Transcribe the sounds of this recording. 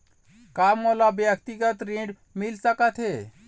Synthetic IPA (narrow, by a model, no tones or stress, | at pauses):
kamːolabjək̚t̪iɡət̪ɾẽɖ | milsəkət̪ʰɦe